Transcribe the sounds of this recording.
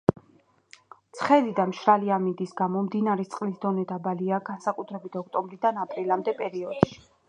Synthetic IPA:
t̪sʰχɛlid̪amʃɾaliamind̪isɡamɔmd̪inaɾɛt̪sʼqʼlisd̪ɔnɛd̪abaliaɡansakʼut̪ʰɾɛbit̪ʰɔk̚ʰt̪ʼɔmbɾid̪anapʼɾilamd̪ɛpʼɛɾiɔd̪̥ʃi̥

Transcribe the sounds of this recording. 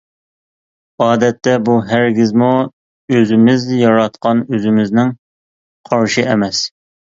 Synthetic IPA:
ɑːd̪ɛt̪ːɛbuɦæɾɡʲɪzmu | øzɪmɪzjɑɾɑt̪̚qɑnøzɪmɪznɪŋ | qʰɑɾʃɨɛmɛs

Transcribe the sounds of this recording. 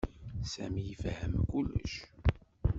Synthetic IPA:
sæmijəfhəmkulːə̰ʃ

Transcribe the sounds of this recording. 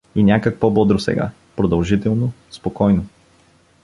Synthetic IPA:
inʲjakək̚pɔbɔd̪ɾosɛ̰ɡa̰ | pɾod̪ɐlˠʒit̪ɛlˠnospokɔjno

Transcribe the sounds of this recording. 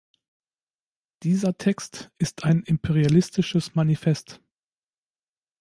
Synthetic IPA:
d̥iːzɐtʰɛkstʔɪstʰaɪnʔɪmpʰeʁialɪstɪʃəsmanifɛst

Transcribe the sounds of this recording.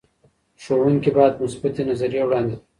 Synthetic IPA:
ʃowuŋkibɑjad̪mʊsbat̪enazaɾijewɽɑːnd̪ed̪

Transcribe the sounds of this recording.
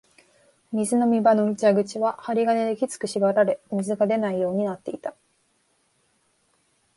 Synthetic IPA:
mʲizɨno̞mʲibano̞it͡ɕaɡɯ̟t͡ɕiβahaɾʲiɡane̞d̪e̞kʲit͡sɨ̥kɯ̟ɕibaɾaɾe̞mʲizɨɡad̪e̞naijo̞ːɲ̟inat̪ːe̞it̪a

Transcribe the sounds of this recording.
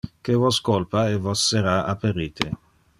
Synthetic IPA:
kevɔskolpaevɔsːeɾaapeɾiːt̪ʰe

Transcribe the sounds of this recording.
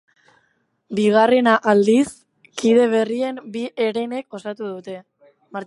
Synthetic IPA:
biɣare̞naʔald̪is | kiðe̞β̞e̞rie̞mbiʔeɾe̞ne̞ko̞sat̪uð̞ut̪e̞ | maɾ

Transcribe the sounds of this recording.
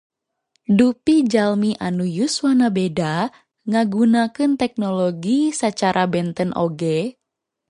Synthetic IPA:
dupid͡ʒalmiʔanujusuwanabeda | ŋaɡunakɨnt̪ɛk̚nɔloɡisat͡ʃaɾʔabɛnt̪ənʔo̰ɡɛ

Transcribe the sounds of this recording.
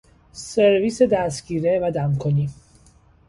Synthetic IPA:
seɾviːsed̪æsɡiːɾevæd̪æmkʰoniː

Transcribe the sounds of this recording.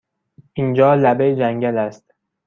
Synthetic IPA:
ʔind͡ʒɒːlæbejd͡ʒæŋɟælæst̪

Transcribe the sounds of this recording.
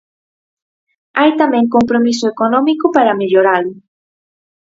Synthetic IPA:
ajt̪ameŋkompɾomisoekonomikopaɾameʎoɾalʊ

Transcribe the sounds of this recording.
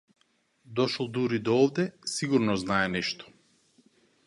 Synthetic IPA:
d̪ɔʃɔlˠd̪uɾid̪ɔɔvd̪ɛsiɡuɾnɔznaɛnɛʃt̪ɔ̥

